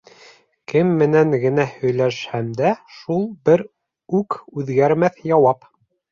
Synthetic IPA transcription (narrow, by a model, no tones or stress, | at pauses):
kɘmːɘ̆næŋɡɘ̆næhɵ̆jlæʃhæmd̪æʃulˠbɘɾ | ʉkʉðɡæɾmæθjɑwɑp